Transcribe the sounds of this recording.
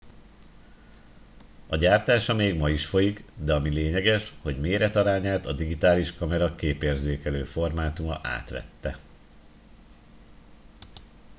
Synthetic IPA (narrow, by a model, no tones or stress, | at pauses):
ɒɟaːrt̪aːʃɒmeːɡmɒjiʃfo̞jikd̪ɛɒmileːɲɛɡɛʃho̞ɟmeːɾɛt̪ɒɾaːɲaːt̪ɒd̪iɡit̪aːliʃkɒmɛɾɒkeːpeːrzeːkɛløːfo̞rmaːt̪umɒ̰ʔa̰ːt̪ʋɛ̰t̪ːɛ̰